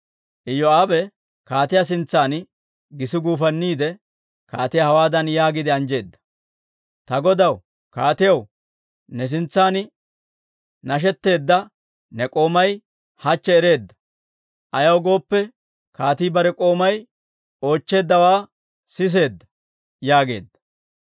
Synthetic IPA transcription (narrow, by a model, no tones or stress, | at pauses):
ʔɪjːɔaːbɛ | kaːt̪ɪjas̬ɪnt͡sːaːn | ɡɪsɪɡuːfɐnːiːd̪ɛ | kaːt̪ɪjahɐwaːd̪ɐnjaːɡɪd̪ɪɐnd͡ʒe̞ːd̪ːɐ̥ | t̪ɐɡɔd̪ɐw | kaːt̪ɪjɐw | nɛs̬ɪnt͡sːaːn | nɐʃ̬ɛt̪ːe̞ːd̪ːɐ | nɛkʼo̞ːmɐj | hɐt͡ʃːɛːɾe̞ːd̪ːɐ̥ | ʔɐjɐwɡo̞ːpːɛ | kaːt̪iːbɐɾɛkʼo̞ːmɐj | o̞ːt͡ʃːe̞ːd̪ːɐwaː | sɪs̬e̞ːd̪ːɐ̥ | jaːɡe̞̰ːd̪ːɐ̥